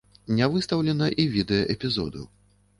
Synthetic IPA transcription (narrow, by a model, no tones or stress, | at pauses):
nʲavɨst̪ɐwlʲɛnɐʔivʲid̪ɛjɐʔɛpʲizɔ̰d̪ṵ